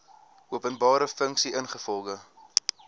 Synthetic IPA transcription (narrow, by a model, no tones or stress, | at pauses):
uəpənbɑːɾəfəŋksiʔənχəfɔlˠɡə